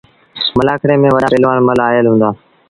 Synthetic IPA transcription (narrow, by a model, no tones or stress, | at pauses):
məlaːkɾeːmẽːʋəɗaːɾɪlʋaːnməlaːɦəlɦũːnd̪aː